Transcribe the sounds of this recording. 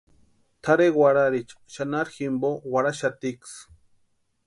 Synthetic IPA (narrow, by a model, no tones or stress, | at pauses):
t̪ʰaɾewaɽaɾit͡ʃʼ | ʃanaɾximbowaɾaʃat̪iks